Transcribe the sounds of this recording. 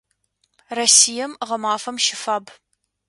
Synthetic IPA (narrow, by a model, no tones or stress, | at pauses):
rɐsijɐmʁɐmaːfɐmʃɪfaːb